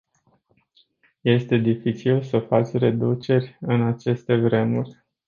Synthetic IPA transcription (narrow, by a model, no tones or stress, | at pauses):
je̞st̪e̞d̪ifit͡ʃilsəfat͡ʃʲre̞d̪ut͡ʃe̞rʲɨnat͡ʃe̞st̪e̞vɾe̞murʲ